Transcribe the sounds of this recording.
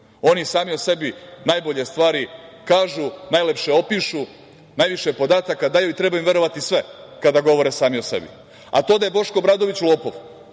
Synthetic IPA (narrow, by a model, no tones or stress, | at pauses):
o̞nisaːmiose̞binaːjbo̞ʎest̪ʋaːɾikaːʒunajle̞pʃeopiʃu | najʋiʃepo̞d̪aːt̪akad̪aːjuit̪ɾebajimʋje̞ɾo̞ʋat̪isʋe̞kad̪aɡo̞ʋo̞ɾesaːmiosḛbḭ | a̰t̪o̞d̪ajebo̞ʃko̞bɾad̪o̞ʋit͡ɕlˠoːpoʋ